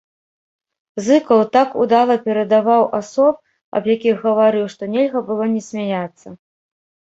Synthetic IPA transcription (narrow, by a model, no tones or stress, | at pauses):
zɨkɐwt̪akud̪alˠɐpʲɛɾɐd̪avawʔasɔp̚ | ɐ̰bjakʲiɣɣɐvaɾɨwʂt̪ɔnʲɛlʲɣɐbɨlˠɔnʲɛsʲmʲajat̪sːɐ